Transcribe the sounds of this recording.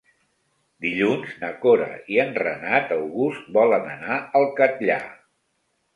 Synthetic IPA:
d̪iʎunznəkoɾə̰iənrənat̪əwɣust̪̚bɔlənə̰naəlˠkət̪ʎa̰

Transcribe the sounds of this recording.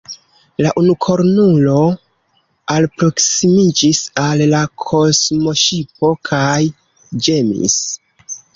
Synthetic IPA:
laʔunukʰo̞ɾnulo̞ | alpɾo̞ksimid͡ʒisalːakʰo̞smo̞ʃipo̞kʰaj | d͡ʒe̞mḭs

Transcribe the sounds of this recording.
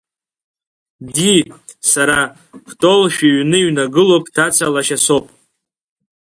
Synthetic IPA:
disaɾa | χtʼo̞lʃᶣiɥnɨiɥnaɡɨlopʼtʰat͡sʰalaʃaso̞pʼ

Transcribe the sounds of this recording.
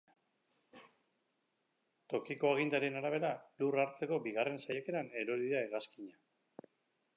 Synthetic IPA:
t̪o̞kiko̞aɣ̞ind̪aɾe̞naɾaβ̞e̞ɾaluraɾt͡se̞ko̞biɣare̞nsajake̞ɾane̞ɾo̞ɾiðaeɣaskiɲa

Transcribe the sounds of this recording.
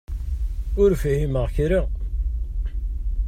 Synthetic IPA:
ʊɾfæhiməʁçɾi

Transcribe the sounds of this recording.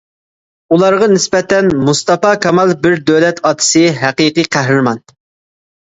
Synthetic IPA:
ulˠɑɾʁɑnɪspɛt̪ɛnmust̪ɑpɑkʰɑmɑlˠbɪɾd̪øwlɛt̪ʰɑːt̪ʰɨ̥sɨɦæqɨqiqʰæɦɾɨɾmɑn

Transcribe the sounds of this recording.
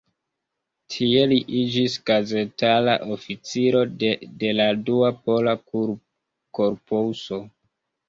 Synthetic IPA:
tʰie̞liʔid͡ʒisɡ̥aze̞tala̰ʔofit͡siɾo̞de̞laduapo̞la | ko̞ɾposo̞

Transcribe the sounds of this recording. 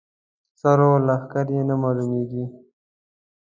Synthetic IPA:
sɑɾolaxkaɾjenamɑlumeɡi

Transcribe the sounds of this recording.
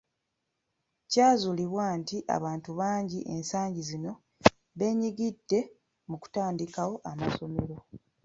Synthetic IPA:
caːzuliβwaːntiʔa̰βaːntuβaːɲɟiʔe̞nsaːɲɟizino̞ | βe̞ːɲiɡidːe̞ | muku̥taːndikawo̞ʔamaso̞me̞ɾo̞

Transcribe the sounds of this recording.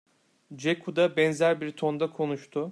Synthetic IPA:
d͡ʒekʰud̪abɛnzæɾbiɾt̪ʰo̞nd̪akʰo̞nuʃt̪ʰʊ

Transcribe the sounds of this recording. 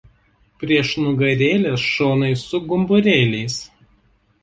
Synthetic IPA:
pʲɾʲiɛʃnʊɡɐɾʲeːlʲesʃoːnɐɪsʊɡʊmbʊɾʲeːlʲɛɪs

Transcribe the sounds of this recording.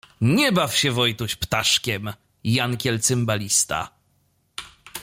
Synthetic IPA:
ɲɛbafɕɛvɔjt̪uɕpt̪aʂkʲɛm | jankʲɛlt̪sɨmbalʲist̪a̰

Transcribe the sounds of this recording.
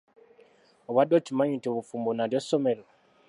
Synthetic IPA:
βaɗot͡ʃimaɲitiβufumbonadosomeɾo

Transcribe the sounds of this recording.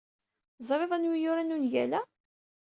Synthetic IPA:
zˤɾˤeðˤænwijʊɾænunjælæ

